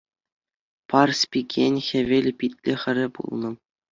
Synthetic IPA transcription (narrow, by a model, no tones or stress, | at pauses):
pɑrsʲpʲikʲenʲxʲĕʋʲelʲpʲitʲlʲexʲɘ̆ɾʲɘ̆pṵlˠnɤ̆